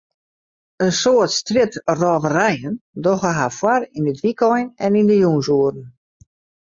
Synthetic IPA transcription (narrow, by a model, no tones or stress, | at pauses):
ənsoətstrɪtrɔːvərɛjəndɔɣəɦafwarinətʋikʰɔjnɛnindəjunsuəɾn̩